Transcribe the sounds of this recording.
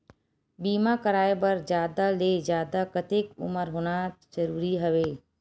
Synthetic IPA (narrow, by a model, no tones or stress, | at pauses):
biːmakəɾaːebəɾd͡ʒjaːd̪aleːd͡ʒjaːd̪akət̪eːkʊ̰məɾɦoːnazəɾuːɾiɦɐʋeː